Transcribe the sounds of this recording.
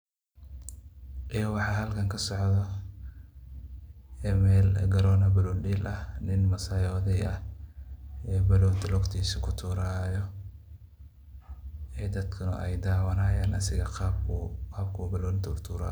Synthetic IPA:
ʔɛːwɑħɑːɦɐlkʰɐŋkʰɐsɔʕðɔ | ɛmɛːlɡɐɾɔːnɐbɐlɔːnɖiːlʔɐhnɪnmɐsɐːjɔːðɛjɐh | ɛːbɐlɔːnd̪ɪlɔkt̪ʰiːsɪkʰʊt̪ʰuːɾaːjɔ | ɛːd̪ɐd̪kʰɐnʊ̰ʔɛjd̪aːwɐnaːjaːnɐsɪɣɐɑːbaːbkʰʊbɐlɔːɪnt̪ɐkʊt̪ʰuːɾa̰ː

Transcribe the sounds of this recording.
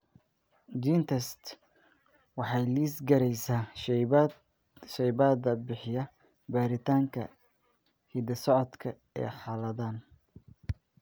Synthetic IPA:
d͡ʒiːnt̪ʰɛst̪ | wɑħɑjliːsɡɐɾɛjsaː | ʃɛjbaːd̪ɐbɪħɪjɐ | baːɾɪt̪ʰaːŋkʰɐ̰ | hid̪ɐsɔʕɔd̪kʰɐ | ɛ̰ːħɑːlɐðaːn

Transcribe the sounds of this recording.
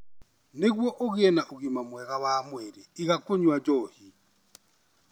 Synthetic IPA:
neɣwɔʔɔɣ̬ɛnaʔuɣimamwɛɣaβamwɛɾɛiɣakoɲwad͡ʒɔːhi

